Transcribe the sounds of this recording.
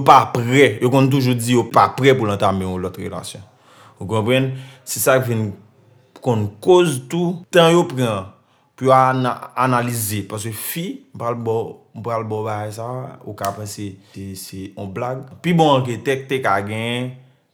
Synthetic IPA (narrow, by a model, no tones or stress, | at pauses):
jopapʁɛjokɔ̃nt̪̬uʒud͡zijopapʁɛp̬ulãt̪amẽɔ̃lɔt̪ɣḛla̰sjɔ̰̃ | uk̬ɔ̃pɣãnsisakvin | kɔ̃nkozt̪ut̪ãjopʁã | pujoanaːnalizepas̬køfim̩palbɔm̩pɣalbɔbaɡajs̬aukapãseesɛɔ̃blaɡ̚pibɔ̃ãk̬et̪ɛk̚t̪ekaɡɛ̃jɛ̃